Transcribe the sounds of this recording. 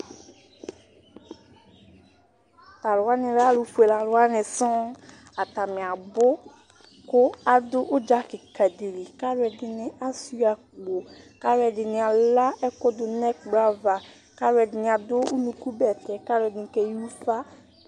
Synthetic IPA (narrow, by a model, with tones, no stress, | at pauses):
t̪a˨lʊ˨wa˦nɪ̃˨ɾa˦lu˨fu˨e˨la˨lʊ˨wa˦nɪ̃˨sɔ̃˦ | a˨t̪a˨mɪ̃˨a˨bʊ˦ | kʊ˦a˨dʊ˦ʔʊ˦d͡ʒa˦kɪ˨ka˨di˨li˨ka˦ɾɛ˨dɪ˨nɪ̃˦a˦su˦a˨kɡ͡bo˨ka˦ɾwɛ˨dɪ˨nɪ̃˨a˨la˦ɛ˦kɔ˦dʊ˦nɛ˦k̚ɡ͡bɾa˦va˨ | ka˦ɾɛ˨dɪ˨nɪ̃˨a˨dʊ˦u˦nũ˨ku˦bɛ˨t̪ɛ˨ka˦ɾɛ˨dɪ˨kɛ˨ju˦fa˦